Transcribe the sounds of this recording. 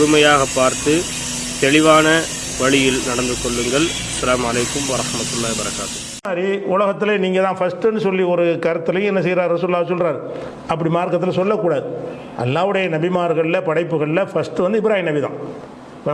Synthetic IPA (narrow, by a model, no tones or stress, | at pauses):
ʊɽʊmɐjaːɣɐpːaːɾt̪ɯ | t̪ɛɭɪʋaːnɐ | ʋɐɭɪjɪlnɐɽɐnd̪ɯkːɔɭːɯŋɡɐɭ | ɪsːɐlaːmɐlɐɪkːɯmʋɐɾɐhmɐt̪ːɯlːaːbɐɾɐkːa̰ːt̪ɯ | aːɾiʊlɐɣɐt̪ːɪleniːŋɡɐt̪ãːfɐsʈːɯnɖɯsɔlːiɔɾɯkɐɾɯt̪ːɐlɐjʊ̃ɛnːɐsɛjɪɾaːɾɾɐsuːɾlːaːɐsɔlraːɾɯ | ɐp̬ːɐɽimaːɾkɐt̪ːɪlɐsɔlːɐkːuːɽaːðɯ | ʔɐ̰lːaːʋɯɽɐjɐnɐbɪmaːɾɣɐɭɪlɐpɐɽɐɪpːɯɣɐɭɪlɐfɐsʈɯʋɐnd̪ɯɪbɪɾaːhɪnɐbɪðã̰ː